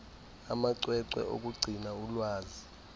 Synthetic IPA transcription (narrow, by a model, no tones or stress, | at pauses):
amaǀwɛǀwɛ̰ʔo̰k̬ʼuɡ͡ǀʱinaulwaːzi